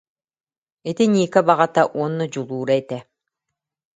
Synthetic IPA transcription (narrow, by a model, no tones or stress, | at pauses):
it̪inʲiːkabaʁat̪aʔuɔnːɔd͡ʑulˠuːɾait̪ɛ